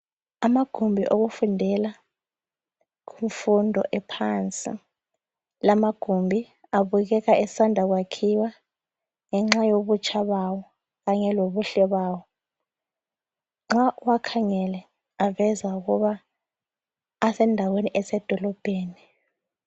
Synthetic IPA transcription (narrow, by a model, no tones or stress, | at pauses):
amaɡ̥ʱumbʱiʔoɣufundʱɛla | kuɱfundʱɔ̰ʔɛpʰant͡sʼḭ | lamaɡ̥ʱumbʱi | aβuɣɛɣaʔɛsandʱaɣ̬wakʰiwa | ŋɛŋ͡ǁajoɓut͡ʃʰʼaɓawɔ | ɣaɲɛloβuɬɛɓaːwɔ | ŋ͡ǁaʔuwakʰaŋɛlɛ | avɛzauɣuβa | sɛndʱaweniʔɛsɛd̥ʱɔlɔb̥ʱeːni